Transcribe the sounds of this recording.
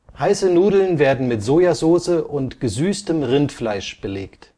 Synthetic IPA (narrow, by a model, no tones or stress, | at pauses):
haɪsənuːdl̩nveːɐdn̩mɪtz̥oːjazoːsəʔʊntɡ̥əzyːstəmʁɪntflaɪʃb̥əleːkt